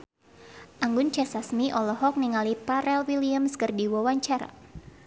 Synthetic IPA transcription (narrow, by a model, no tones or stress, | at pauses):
ʔaŋɡʊnt͡ʃɛsasmiʔɔlɔɦɔk̚niŋalipaɾɛlwiliamskərdiwawaɲt͡ʃaɾa̰